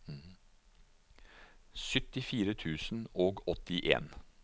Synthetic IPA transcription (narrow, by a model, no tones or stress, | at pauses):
sʏt̪ɪfiːɾət̪ʰʉːsn̩oːɡɔt̪ːɪʔḛːn